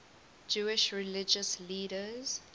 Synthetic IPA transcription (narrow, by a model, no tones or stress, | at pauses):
d͡ʒuːɪʃɹilɪd͡ʒəsliːɾəz